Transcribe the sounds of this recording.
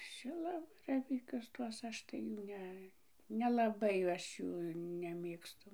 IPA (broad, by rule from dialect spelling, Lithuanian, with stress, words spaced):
ˈʃʲɪlˠɐbɐrɐʋʲiːkʲʊs ˈtuɔs ˈɐʃ tɐɪ ˈjuː ˈnʲɛ nʲɛlˠɐˈbɐɪ ˈɐʃ ˈjuː nʲɛˈmʲeːkstʊ